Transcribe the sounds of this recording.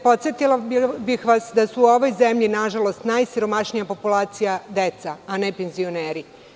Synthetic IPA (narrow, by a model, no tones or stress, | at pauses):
po̞t̪sjet̪ilabixʋasd̪asuːo̞ʋo̞jzemʎinaʒalo̞st̪najsiɾo̞maʃnijapo̞pulˠaːt̪sijad̪et̪saanepenzio̞neːɾi